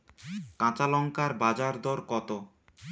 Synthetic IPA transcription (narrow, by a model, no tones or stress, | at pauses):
kãt͡ɕalɔŋkaɾbad͡ʑaɾd̪ɔɾkɔt̪o